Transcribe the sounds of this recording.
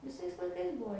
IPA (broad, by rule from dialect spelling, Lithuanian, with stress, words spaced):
ʋʲɪˈsɐɪs lˠɐɪˈkɐɪs ˈbuɔ